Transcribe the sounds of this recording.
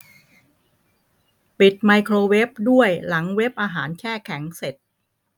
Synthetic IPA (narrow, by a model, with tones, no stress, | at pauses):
pi˨˩t̪̚ma˧jkʰɾoː˧we˦˥p̚du˥˩əjla˩˦ŋwe˦˥p̚ʔaː˧ɦaː˩˦nkʰɛː˥˩kʰɛ˩˦ŋse˨˩t̪̚